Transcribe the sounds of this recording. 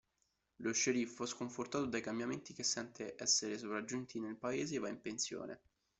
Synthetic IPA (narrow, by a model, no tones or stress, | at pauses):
loʃːeɾifɛskoɱfort̪aːt̪od̪ajkambjament̪ik̟esːɛnt̪ʰeʔɛsːeɾesovɾad͡ʒunt̪ʰinelpaeːzeːvaimpensjo̰ːnʔḛ